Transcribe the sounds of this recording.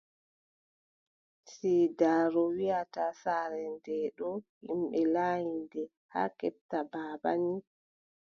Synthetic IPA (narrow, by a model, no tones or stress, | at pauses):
siːdaːɾɔwiatasaːɾɛndɛːɗɔhimɓɛlaːjindɛ | ha̰kɛp̚tabaːba̰ni